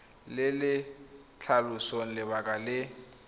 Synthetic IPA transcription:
lɪlɪ | t͡ɬʰalusoŋ̩lɪbakʼalɪ

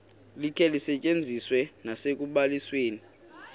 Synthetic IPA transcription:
likʰɛlisɛt͡ʃʼend͡zʱiswɛnasek̬ʼuɓalisweːni

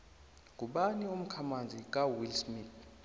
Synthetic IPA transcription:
k̬ʼuɓanium̩kʰamand͡zʱik̬ʼawilsmit

